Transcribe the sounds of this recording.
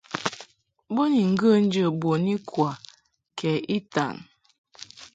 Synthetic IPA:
bo˦ni˨ŋ̩˨ɡə˦˨n̩˦d͡ʒə˨bo˨ni˦kwa˨ | kʰɛ˨i˦ta̰˨ŋ

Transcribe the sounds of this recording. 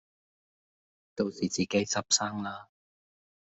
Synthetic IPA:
t̪o˧wsiː˨˩t͡siː˨˩ke˨˥jt͡sɐ˥p̚sɐː˥ŋlaː˥

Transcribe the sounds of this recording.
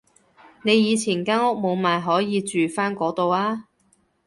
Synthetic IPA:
ne˨˧jiː˨˧t͡sʰiː˨˩nkaː˥ŋʊ˥k̚mo˨˧wmaː˨jɦɔː˨˥jiː˨˧t͡ʃyː˨faː˥nkɔː˨˥t̪o˨waː˥

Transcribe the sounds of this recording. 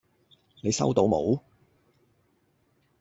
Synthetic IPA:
ne˨˧jsɐ̰˥wt̪o˧wmo˨˧w

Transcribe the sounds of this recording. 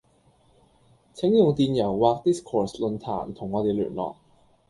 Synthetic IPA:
t͡sʰɪ˨˥ŋjʊ˨ŋt̪iː˧njɐ˨˩wwaː˨˧k̚t̪iː˦˥skʰɔː˨˩slɵ˨˧nt̪ʰa̰ː˨˩nt̪ʰʊ˨˩ŋːɔː˨˧t̪e˨jly̰ː˨˩nlɔ̰ː˨k̚

